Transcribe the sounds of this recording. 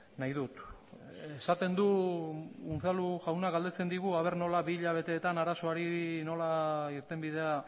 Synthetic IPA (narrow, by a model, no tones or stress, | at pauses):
najðut̪ | e̞sat̪e̞nd̪u | unθaluʝawnaɡald̪e̞t͡se̞nd̪iɣuaβ̞e̞ɾno̞laβiːʎaβ̞e̞t̪e̞ːt̪anaɾaso̞aɾino̞laiɾt̪e̞mbið̞e̞a